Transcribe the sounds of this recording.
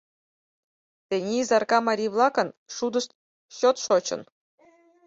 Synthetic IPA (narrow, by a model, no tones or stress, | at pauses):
t̪ʲenʲiizɑrkɑmɑɾʲijβlˠɑkɤ̆nʂud̪ɤ̆ʂt̪ | ɕot̪ʃot͡ɕɤ̰̆n